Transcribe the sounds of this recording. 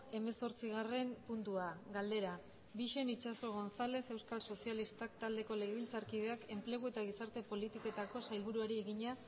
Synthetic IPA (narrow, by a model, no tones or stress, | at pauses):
e̞me̞so̞ɾt͡siɣare̞mpunt̪uaɣald̪e̞ɾa | biʃe̞nit͡ʃaso̞ɣ̞o̞nsale̞se̞wskalso̞sialist̪akt̪ald̪e̞ko̞le̞ɣeβilt͡saɾkið̞e̞ake̞mple̞ɣ̞ue̞t̪aɣ̞isaɾt̪e̞po̞lit̪iko̞t̪ako̞sajlβ̞uɾuaɾie̞ɣiɲa